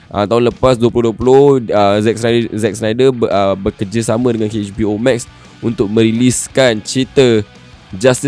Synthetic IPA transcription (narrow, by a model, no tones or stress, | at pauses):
ʔə̰t̪aɦʊnləpasduəpulʊhduəpulʊhəzɛk̚snadəzɛk̚snajdəəbəkəd͡ʒəsamə̃dəŋankeɛt͡ʃbiomɛk̚s | unt̪ʊk̚mə̃ɾiliskant͡ʃɾit̪ə | d͡ʒast̪i